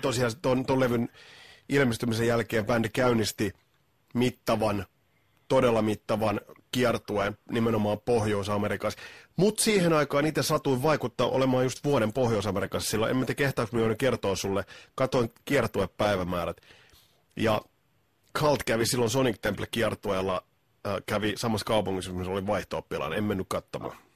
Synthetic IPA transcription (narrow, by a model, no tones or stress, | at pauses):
t̪osiɑst̪ont̪olleʋynilmist̪ymisejælkeːmpændikæynist̪i | mit̪ːɑʋɑn | t̪odelːɑmit̪ːɑʋɑnkiɑrt̪uenimenomɑːpohjoisɑmeɾikɑsmut̪siːhenɑikɑːnit̪ːesɑt̪uiʋʋɑikut̪ːɑːʔo̰lemɑːjust̪ʋuoɾempohjoisɑmeɾikɑssilːo̰ʔḛmːæt̪ekeht̪ɑuksmionːykiert̪oːsulːekɑt̪oiŋkiɑrt̪ueppæiʋæmæːɾæt̪ | jɑ | kʰɑlt̪kæʋisilːonsonikt̪emplekiɛrt̪uelːɑ | kæʋisɑmɑskɑupuŋːismisoliʋɑiht̪oːpːilɑ̰nḛmmenːykkɑt̪ːomɑ̰ː